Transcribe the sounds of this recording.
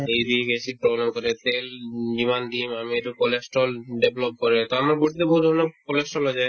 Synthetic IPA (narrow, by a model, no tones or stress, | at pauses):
ejbiɡesipɾɔblemkɔɾet̪eld͡ʑimanɖimamieʈukolesʈɾolɖeblop̚kɔɾet̪oamaɾbuʈit̪eboɦud̪ʱɔɾonokolesʈolɦod͡ʑae